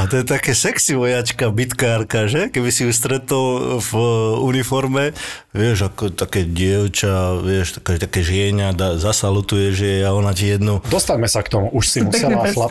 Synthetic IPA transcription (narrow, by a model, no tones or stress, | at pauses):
at̪ɔjɛt̪akɛːsɛksiʋɔjat͡ʃkabit̪kaːɾkaʒɛkɛbisiust̪ɾɛt̪ɔlvunifɔɾmɛ | ʋɪɛʒakɔt̪akɛːɟɪɛʊt͡ʃaʋɪɛʃt̪ḁkɛʒɛt̪akɛːʒɪɛɲad̪azasalut̪ujɛʒɛaɔnacijɛd̪nud̪ɔst̪aɲmɛsakt̪ɔmuʔuʃsimussɛaʃla